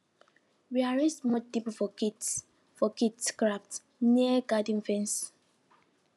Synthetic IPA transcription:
wiaɹɛstmɔtipfɔkit | fɔkitskɹaft | niəɡadĩnfɛ̃ns

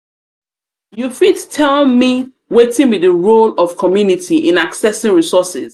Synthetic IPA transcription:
jufidtʰɛlmi | wetɪ̃ŋwiðəɹolɔv̥kʰɔmjunitʰiʔɪ̃naksɛsɪ̃ŋɹisɔsɪz̥

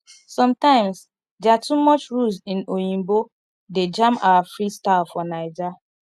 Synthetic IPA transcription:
sɔ̃mtãɪ̃ms | dɛatumɔt͡ʃɹusĩnojĩmbo | ded͡ʒãmawafɹistaɪlfɔnaɪd͡ʒa

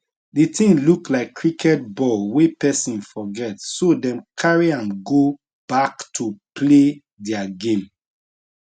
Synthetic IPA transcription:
dətʰĩŋluklaɪkʰːɹikʰɛt̚bɔlwepɛsɔ̃nfɔɡɛtsodɛ̃mkʰaɹiãnɡo | b̥aktʰupʰle | dɛaɡẽm

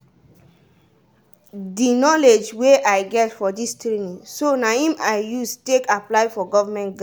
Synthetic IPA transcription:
dinɔled͡ʒweʔaɪɡɛtfɔdistɾinĩŋsonahĩmaɪjustekaplaɪfɔɡɔvamɛ̃ntɡa

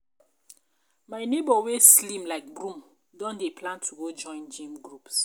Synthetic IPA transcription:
maɪnebɔweslĩmlaɪk̚ɡɹũm | dɔ̃ndeplãntʰuɡod͡ʒɔ̃ɪ̃nd͡ʒĩmɡɹups

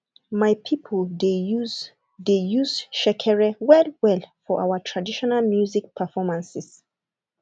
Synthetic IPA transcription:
majpʰipʰəlde | dejuzʃɛkʰɛɹɛwɛdwɛlfɔʔa̰wətʰɹadiʃɔnalmjuzik̚pʰəfɔmãnsɪs

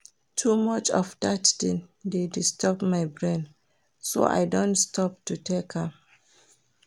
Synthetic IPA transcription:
tʰumɔt͡ʃɔ̰fdatdĩndedistʰɔpmaɪbɹẽn | so̰ʔa̰ɪdõntstʰɔp̚tutʰekʰã

